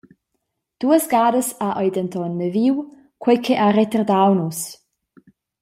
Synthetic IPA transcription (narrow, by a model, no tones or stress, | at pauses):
d̥uəsɡaːdəsaʔɔjdəntɔnːəviw | kwɛjkʰɛʔaɾɛt̪ərd̪awnus